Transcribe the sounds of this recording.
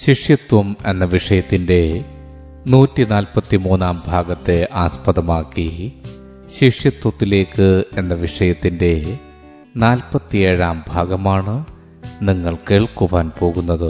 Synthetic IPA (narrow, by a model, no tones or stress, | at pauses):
ɕiʂjɐt̪wɐme̞nːɐʋiʂɐjɐt̪ːinde̞ | nuːtːinaːlpɐt̪ːimuːnaːmbʱaːɡɐt̪ːe̞ʔaːspɐðɐmaːkːi | ɕiʂjɐt̪wɐt̪ːile̞ːkːɨe̞nːɐʋiʂɐjɐt̪ːinde̞ | naːlpɐt̪ːijeːɻaːmbʱaːɡɐmaːɳɨ | niŋːɐɭke̞ːɭkuʋaːnpo̞ːɣunːɐðɨ